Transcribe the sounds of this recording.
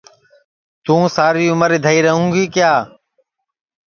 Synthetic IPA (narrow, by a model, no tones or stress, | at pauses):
t̪ũːsaːɾiːʊməɾeːd̪ʱəiːɾəɦũːɡiːkjaː